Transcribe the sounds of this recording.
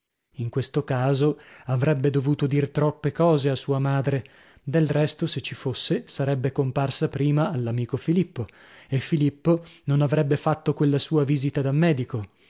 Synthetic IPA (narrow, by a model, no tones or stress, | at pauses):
iŋkwest̪okaːzoavɾɛbːed̪ovuːt̪od̪irt̪ɾɔpːekɔːzeasuːamaːd̪ɾe | d̪elrɛst̪oset͡ʃːifosːesaɾɛbːekomparsapɾiːmaːlːamiːkofilipːo | efːilipːononavɾɛbːefat̪ːokwelːasuːaviːzit̪ad̪amːɛːd̪iko